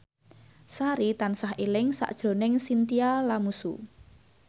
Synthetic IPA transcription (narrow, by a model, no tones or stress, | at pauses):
saɾit̪ansaɦelɪŋsa̰ʔd̥ʒ̥ɾo̤nɪŋsint̪ialamusṵ